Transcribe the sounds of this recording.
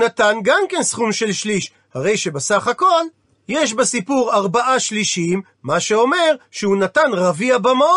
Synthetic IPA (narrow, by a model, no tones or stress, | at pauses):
natanɡamke̞nsχumʃe̞lʃliʃ | haʁe̞jʃe̞besaχako̞l | jeʃ̬besipuʁaʁbaʔaʃliʃimːaʃeo̞me̞ʁʃehunatanʁaviabamao